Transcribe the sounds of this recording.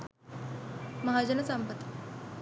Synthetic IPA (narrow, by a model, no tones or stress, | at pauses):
mɐɦad͡ʑənəsambət̪